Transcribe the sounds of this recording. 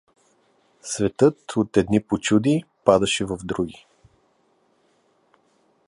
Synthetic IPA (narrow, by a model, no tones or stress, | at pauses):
svɛt̪ɤt̪ot̪ɛd̪nipot͡ʃud̪ipad̪ɐʃɛvɐvd̪ɾuɡ̟i